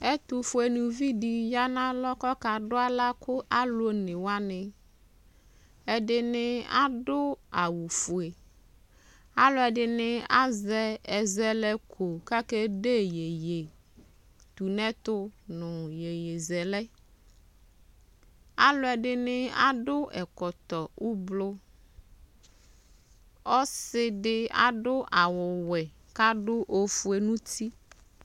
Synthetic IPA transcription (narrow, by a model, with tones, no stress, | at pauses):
ɛ˦t̪ʊ˨fʊ˨ɛ˨nʊ̃˨vi˦di˨ja˦nã˦lɔ˦kɔ˦ka˨dʊ˦a˦la˦kʊ˦ʔa˦lʊ˦nɪ̃˨wa˦nɪ̃˨ | ɛ˨dɪ˨nɪ˦a̰˦dʊ˦a˨wu˨fʊ˨e˨ | a˦lʊ˦ɛ˨dɪ˨nɪ˦a˦zɛ˦ɛ˨zɛ˨lɛ˦kʰo˨ka˦kɛ˦de˦je˨je˨ | t̪u˨nɛ̃˦t̪ʊ˦nʊ̃˨je˨je˨zɛ˨lɛ˦ | a˦lʊ˦ɛ˨ɖɪ˦nɪ˦a̰˦ɖʊ˦ʔɛ˨kɔ˨t̪ɔ˨wu˦blʊ˦ | ɔ˦sɪ˦ɖɪ˦a̰˨ɖʊ˦ʔa˨wʊ˨wɛ˨ | ka˦ɖʊ˦ʔo˦fu˨˦e˨nũ˦t̪ʰi˦